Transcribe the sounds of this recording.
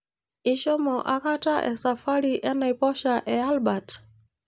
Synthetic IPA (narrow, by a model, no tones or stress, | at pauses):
iʃɔmɔʔakataʔɛ̰safaɾiʔɛnaipɔʃaʔɛalbat